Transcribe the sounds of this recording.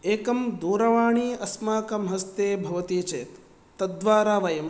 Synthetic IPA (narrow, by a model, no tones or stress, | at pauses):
eːkɐmd̪uːɾɐʋaːɳiːɐsmaːkɐmɦɐst̪eːbʱɐʋɐt̪iːt͡ʃeːt̪ː | ɐd̪ʋaːɾaːʋɐjɐm